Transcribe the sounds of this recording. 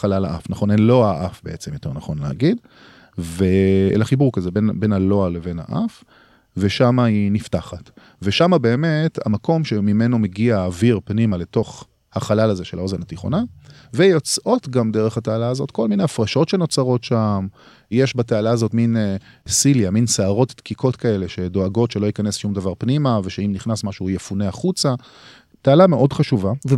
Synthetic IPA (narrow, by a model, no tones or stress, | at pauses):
χalala̰ʔa̰fnaχo̞nenlo̞aʔafbeʔet͡se̞mjote̞ʁnaχo̞nlea̰ɡid | veḛlaχibuʁkazebenbe̞nalo̞aleve̞nha̰ʔaf | veʃamainiftaχat | ve̞ʃamabe̞ːme̞ta̰mako̞mʃemime̞no̞meɡiaːviʁpnimale̞to̞χ | haχalalaze̞ʃelao̞ze̞nhat̪iχo̞̰na | vejo̞t͡sʔo̞tɡamdeʁeχhatealaːzo̞tko̞lmineafʁaʃo̞tʃe̞no̞t͡saʁo̞tʃam | jeʃbatealaːzo̞tminsiljaminseaʁo̞ttkikʰo̞tkae̞le̞ʃe̞do̞aɡo̞tʃelo̞ikane̞sʃumdavaʁpnimaveʃeimniχnasmaʃujefuneaχut͡sa | tealameʔo̞dχaʃuva